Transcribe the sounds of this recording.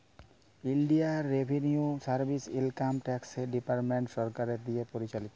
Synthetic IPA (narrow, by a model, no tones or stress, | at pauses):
inɖiaːebʱeniusaɾbʱisilkamʈɛkseɖipaɾʈmeɳʈʃɔɾkaɾed̪iepoɾit͡ɕalit̪o